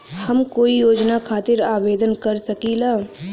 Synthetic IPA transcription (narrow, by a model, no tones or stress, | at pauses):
hɐmkoːijoːd͡ʒnakʰaːt̪ɪɾaːʋeːd̪ənkɐɾsɐkilaː